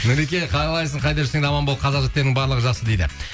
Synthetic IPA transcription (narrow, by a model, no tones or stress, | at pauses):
nɪɾek̬ʲeqʰɑjɾɑlˠɑjsəɴqʰɑjd̪ɑʒse̞ŋd̪ɑmɑnbolˠqʰɑzɑʒɑt̪ːeɾnɪŋbɑɾlˠəʁəʒɑsəd̪e̞jd̪ɪ̰